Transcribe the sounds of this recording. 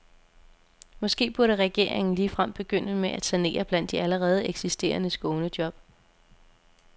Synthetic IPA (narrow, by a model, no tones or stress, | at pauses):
mɒ̽sɡ̥e̝̰ːb̥uɐɾəʁɛɡ̥e̝ɐ̰eŋn̩liːfʁam̰̥b̥e̝ɡ̥øn̰əmeʔæ̥sæne̝̰ːɐb̥læn̰d̥iæləʁɛːð̞̩ˠeɡ̥sisd̥e̝̰ːɐnəsɡ̥ɔːnəd̥jɒ̽b̥̚